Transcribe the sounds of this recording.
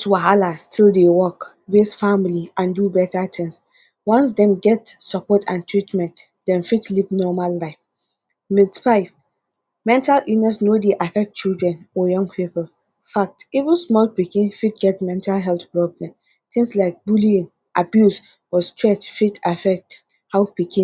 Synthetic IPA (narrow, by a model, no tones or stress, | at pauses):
tʰuaɦalastʰildewɔk | ɹesfamiliʔãndubɛtat̪ʰɪ̃ŋs | wɔ̃ns̬dɛ̃mɡɛtsəpɔtʰãntʰɹitmɛ̃nt | d̥ɛ̃nfitlipnɔmalːaɪf | midfaɪv | mɛ̃ntalʔilnɛsnodeʔafɛk̚tt͡ʃildɹɛ̃nɔjʌ̃ŋɡpʰipəl | fak̚tivə̃nsmɔlpikĩnfid̚ɡɛtmɛ̃ntalɦɛlθpɹɔblɛ̃m | t̪ĩŋslaɪk̚buliĩn | ʔabjus | ɔstʰɹɛt͡ʃfidafɛk̚t | haʊpikʰĩ